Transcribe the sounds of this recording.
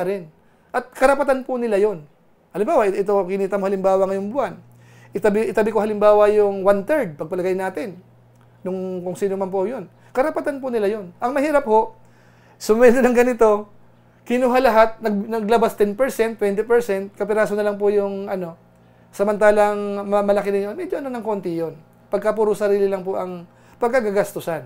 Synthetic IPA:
ɐɾɪn | ʔɐt̪̚kɐɾɐpɐt̪anpʊnɪlajo̞n | hɐlɪmbaːwɐʔɪʔɪt̪o̞kɪniːt̪ɐmohɐlɪmbaːwɐŋɐjoŋbʊʔan | ʔɪt̪ɐbɪʔɪt̪ɐbɪkohɐlɪmbaːwɐjʊŋwant̪ɛɹd̪̚pɐɡ̚pɐlɐɡajnaːt̪ɪnː | ʊŋkʊŋsiːnomɐnp̬ohojon | kɐɾɐpɐt̪anpʊnɪlajo̞nʔɐŋmɐhiːɾɐp̚ho̞ʔ | sʊmɛd̪ɪnɐŋɡɐnɪt̪o̞ | kɪnuːɦalɐɦat̪̚nɐɡnɐɡlabast̪ɛnpɛɾsɛnt̪ːwɛnt̪ɪpɛɹsɛnt̪̚kɐpɪɾaːsonɐlɐŋp̬ojʊŋʔɐno̞ | sɐmɐnt̪aːlɐŋmɐmɐlɐkɪnɪɲonmɛd͡ʒoɐnonɐŋko̞ːnt̪ɪjon | pɐɡ̚kap̬uːɾosɐɾiːlɪlɐŋpoʔɐŋ | pɐɡ̚kaɡɐɡɐst̪ʊsan

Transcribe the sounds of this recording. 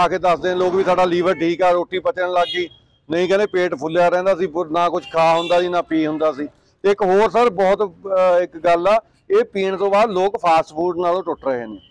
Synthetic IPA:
aːkeːd̪əsd̪eːãloːkʋiːsaːɖaːliːʋəɾʈʰiːkaːɾoːʈiːpət͡ʃəɳləɡiː | nəĩːkɛːnẽːpeːʈpʰʊlːjaːɾɛ̃ːnd̪aːsiːpʊnaːkʊd͡ʒkʰaːɦʊ̃nd̪aːsiːnãːpiːɦʊnd̪aːsiː | t̪eɪkɦoːɾsəɾbɔːt̪ɪkɡəlaː | eːpiːɳt̪õːbaːd̪loːkpʰaːsʈpʰuːɖnaːlõːʈʊʈɾəɦḛːneː

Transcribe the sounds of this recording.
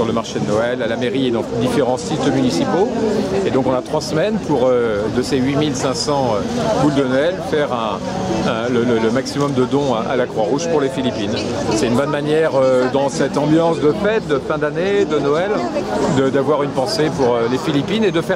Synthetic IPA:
syʁləmaʁʃed̪ənɔɛlalameʁied̪ɑ̃d̪ifeʁɑ̃sit̪mynisipoed̪ɔ̃kɔ̃nat̪χwasmɛnpʰuʁød̪əseɥimilsɛ̃sɑ̃øbuld̪ənɔɛlfɛʁɛ̃ | ɛ̃lələləmaksimɔmd̪əd̪ɔ̃ʔa̰lakχwaʁuʒpuʁlefilipin | sɛt̪ynbɔnmanjɛʁød̪ɑ̃sɛt̪ɑ̃bjɑ̃sd̪əfɛt̪̚d̪əfɛ̃d̪aned̪ənɔɛld̪əd̪avwaʁynpɑ̃sepuʁølefilipined̪əfɛ

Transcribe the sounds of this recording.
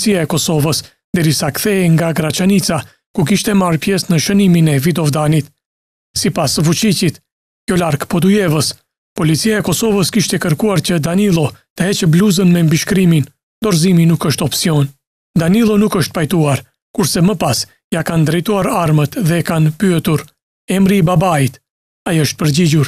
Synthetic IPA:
t͡siaɛkɔsɔvəs | d̪ɛɾisakθɛɛŋɡaɡɾat͡ʃanit͡sa | kuk̬iʃt̪ɛmaɾpjɛsnəʃəniminɛvid̪ɔvd̪anit̪ | sipasvut͡ʃicit̪ | kjɔlaɾkpɔd̪ujɛvəs | pɔlit͡siaɛkɔsɔvəskiʃt̪ɛkəɾkuaɾt͡ɕəd̪anilˠɔt̪əhɛt͡ʃbluzənmɛmbiʃkɾimin | nd̪ɔɾziminukəʃt̪ɔpsiɔn | d̪anilˠɔnukəʃt̪̚pajt̪uaɾ | kuɾsɛməpas | jakand̪ɾɛjt̪uaɾaɾmət̪ðɛkanpyɛt̪uɾ | ɛmɾibabait̪ | aiəʃt̪̚pəɾɟiɟuɾ

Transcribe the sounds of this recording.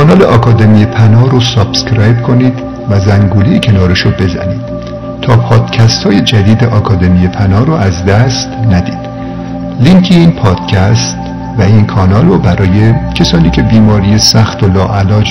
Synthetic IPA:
kɒːnɒːleʔɒːkʰɒːd̪emijepʰænɒːɾosɑb̥skɾæjbkʰo̞niːd̪ | væzæŋɡuːlejcʰe̞nɒːɾeʃobe̞zæ̰niːd̪̥̚ | t̪ʰɒːpʰɒːd̪̥cʰæst̪hɒːje̞d͡ʒæd̪iːd̪eʔɒːkʰɒːd̪e̞mijepʰænɒːɾoʔæzd̪æst̪næd̪ḭːd̪̥ | liŋkʰiiːnpʰɒːd̪̥cʰæst̪ | væinkʰɒːnɒːlrobæɾɒːjecʰesɒːniːcʲʰe̞biːmɒːɾiːjesæxt̪olɒːʔælɒːd͡ʒ

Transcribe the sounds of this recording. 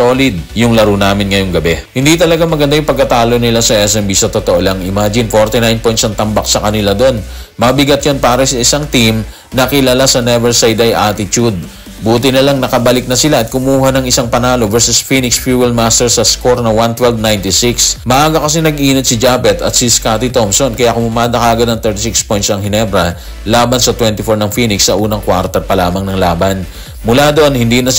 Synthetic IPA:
oːlɪd̪̚jʊŋlɐɾunaːmɪnŋɐjo̞ŋɡɐbɛhɪnd̪it̪ɐlɐɡaŋmɐɡɐnd̪ajʊŋpɐɡ̚kɐt̪aːlo̞nɪlasɐʔɛsɛmbisɐt̪ot̪oʔolɐŋɪmaːd͡ʒɪnfo̞ɾt̪ɪnajnpojnsɐŋt̪ɐmbak̚sɐkɐnɪlad̪o̞nmɐbɪɡɐt̪̚jonpaːɾɐsɐɪsaŋt̪im | nɐkɪlalasɐnɛvɛɹsajd̪ɐjʔat̪ɪt̪ud̪̚ | buːt̪ɪnɐlaŋnɐkɐbɐlɪk̚nɐsɪlaʔɐt̪̚kʊmuːɦɐnɐŋʔɪsaŋpɐnaːlovɛɹsʊsfinɪksfjuːwɛlmast̪ɛɹsɐskoɾnɐwant̪wɛlvnajnt̪ɪsɪksmɐʔaːɡɐkɐsɛnɐɡʔiːnɪt̪̚sɪd͡ʒaːpɛt̪ɐt̪sɪskaːt̪ɪt̪omsonkɐjakʊmʊmaːd̪ɐkaːɡɐnɐŋt̪ɛɹt̪ɪsikspojt̪sɐŋhɪnɛbɾɐ | laːbɐnsɐt̪wɛnt̪ɪfoɹnɐŋfiːnɪksːɐʔuːnɐŋkwaɾt̪ɛɾpɐlaːmɐŋnɐŋlaːbɐn | mʊlaːd̪oʔonhɪnd̪inɐ

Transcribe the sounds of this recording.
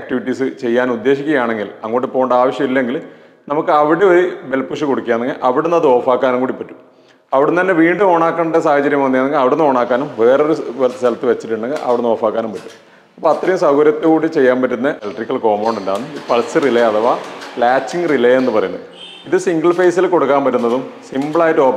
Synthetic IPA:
ak̚ʈiʋiʈːisɨt͡ɕe̞jːaːnud̪ːeːɕikʲːuɣɐjaːɳe̞ŋɡilɐŋːo̞ːʈːepːoːuɳɖaːʋɐɕjɐmilːeŋɡil | nɐmukːɨɐʋiɽeoɾibe̞lpuʂɨkoɽukːjaːneŋɡilʔɐʋiɽunːɐðɨo̞ːfaːkːaːnuŋkuːɽipːɐʈːu̥m | ɐʋiɽent̪ɐnːe̞ʋiːɳɖɨmo̞ːɳaːkːɐɳːɐɖesaːhɐt͡ɕɐɾjɐmʋɐnːijaneŋɡilɐʋiɽenːɨo̞ːɳaːkːaːnumʋe̞ːro̞ɾuʋeɾɐt̪ːɨsɐlɐt̪ːɨʋet͡ɕːiʈːuɳɖeŋɡilʔɐ̰ʋiɽenːo̞ːfaːkːaːnumpɐtːu̥m | ɐpːoːɐt̪rɐjumsɐɣoːɾjɐt̪ːɨkuːɽit͡ɕe̞jːaːnmpɐtːunːɐʔelɐʈrikːɐlko̞ːmoːɳɖundaːnːɨpɐɭɐsɨrileɐðɐʋaːlaːt͡ɕːiŋɡɨrileenːɨpɐrɐjunːɐðɨ | iðɨsiŋɡɐɭfejsilko̞ɽukːaːmbɐɾunːɐðumsimbɭaːjtːo̞ː

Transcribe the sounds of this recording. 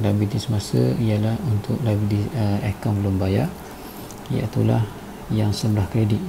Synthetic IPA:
labit̪isəmasəijalahunt̪ʊk̚labit̪iəekaŋbəlʊmbajaʔ | ija̰it̪ulah | jaŋsəbəlahkɾediʔ̚

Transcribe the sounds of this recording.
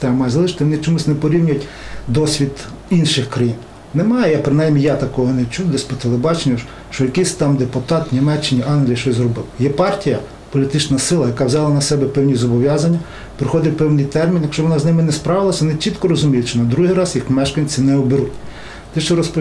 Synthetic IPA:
t̪ɛɐmɑjɛzɐlˠɪʃɪ̥t̪eɪʋɔnɪt͡ʃɔmusʲnɛpɔɾʲiwnʲʊjʊtʲd̪ɔsʲʋʲid̪inʃɪxkɾɐjin | nɛmɑjɛjapɾɪnɑjmʲijat̪ɐkɔɦɔnɛt͡ʃud̪ɛsʲpɔt̪elˠebɑt͡ʃenʲːɐ | ʃt͡ʃɔjɐkisʲt̪ɑmd̪epʊt̪ɑt̪nʲimɛt͡ʃːɪnʲiʔɑnɦlʲijiʃt͡ʃɔzrɔbɪwjɛpɑrtʲijɐ | pɔlʲit̪ɪt͡ʃnɐsɪlˠɐjɐkɑʋzʲɑlˠɐnɐsɛbɛpɛwnʲizɔbɔʋʲjɑzɐnʲːɐ | pɾɪxɔd̪ɪtʲpɛwnɪjt̪ɛrmʲinjɐkʃt͡ʃɔʋɔnɑznɪmɪnɛspɾɑʋɪlˠɐsʲɐʋɔnɪt͡ʃit̪kɔɾɔzʊmʲijʊtʲt͡ʃɔnɐd̪ɾuɦijɾɑzjixmɛʃkɐnʲt͡sʲinɛɔbeɾutʲ | t̪ɛʃt͡ʃɔɾɔspɔ

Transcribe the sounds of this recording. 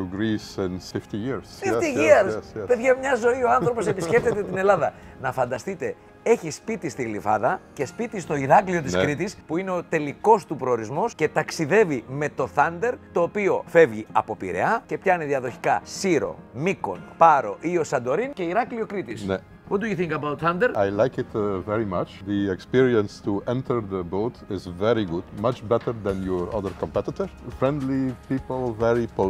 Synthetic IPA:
ɡɾisɛnift̪ijiɾsfift̪iʝiɐɾspe̞ðʝɐmɲɐzo̞io̞ɐnθɾopo̞sepisce̞ft̪et̪et̪ine̞lɐðɐ | nɐfɐnd̪ɐst̪it̪e̞ | e̞çispit̪ist̪iɣlifɐ̰ðɐce̞spit̪ist̪oiɾɐklio̞t̪iskɾit̪ispuine̞o̞t̪e̞liko̞st̪upɾo̞ːɾizmo̞sce̞t̪ɐksiðe̞vime̞t̪o̞θɐnd̪e̞ɾt̪o̞ːpio̞fe̞vʝiɐ̰po̞pḭɾe̞̰ɐce̞pçɐneðiɐðo̞çi̥kɐsiɾo̞̰miko̞̰npɐɾo̞ʔio̞sɐnd̪o̞ɾince̞iɾɐklio̞kɾit̪isnɛ | wɔt̪d̪ujuθĩŋkɐbawt̪θɐnd̪eɾajlajkɪt̪vɛɹimɐt͡ʃðiɛkspiɹiə̃nst̪uɛ̃nt̪ʰəɾðəbotɪzvɛɾiɡudmɐt͡ʃbɛt̪əɹðɛ̃njɔɹʌ̰ðəɹkɔ̃mpɛt̪ɪt̪əɹfɹɛ̃nd̪lipipəl̩ˠvɛɹipɔ

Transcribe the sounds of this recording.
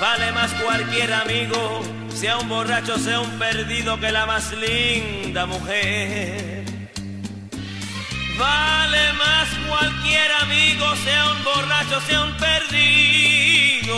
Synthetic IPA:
bale̞maskwalkje̞ɾamiɣo | seaumbo̞rat͡ʃo̞seaumpe̞ɾðiðo̞ke̞lamaslind̪amuxeɾɾ | ɾ | bale̞maskwalkje̞ɾamiɣo̞seaumbo̞rat͡ʃoseaumpeɾði | ðo

